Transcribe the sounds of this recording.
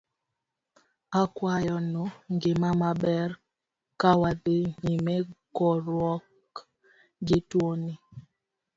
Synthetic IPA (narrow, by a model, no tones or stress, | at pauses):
akwajɔnɔŋɡemamabɛɾ | kawadeɲimɛkɔɾwɔk | ɡɪtwoni